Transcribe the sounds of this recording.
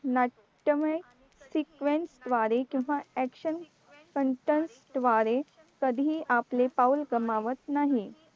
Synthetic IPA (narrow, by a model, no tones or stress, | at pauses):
na | ʈəməj | sikʋensd̪ʋaɾekĩw̃ʋaɛkɕən | kəɳʈensd̪ʋaɾe | kəd̪ʱiːʔaplepaulɡəmaʋət̪naɦi